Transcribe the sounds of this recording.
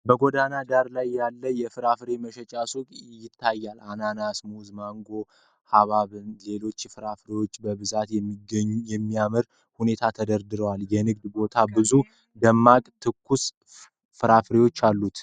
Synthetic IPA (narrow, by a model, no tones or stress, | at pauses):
bəɡo̞d̪anad̪aɾlajːalːəjɛfɨɾafɾe̞məʃɛt͡ʃʼasukʼjɪt̪ʰːajːalananasmuzmaŋɡo̞ | haβaβɨnle̞lo̞t͡ʃːfɨɾafɾewo̞t͡ʃːbəβɨzat̪jɛmːiɡəɲːujɛmːijamɨɾ | hune̞t̪ʰat̪ʰəd̪əɾd̪ɨɾəwaljɛnɨɡd̪bo̞t̪ʰabɨzu | d̪əmːakʼt̪ʰɨkːus | fɨɾafɾewo̞t͡ʃːalːut̪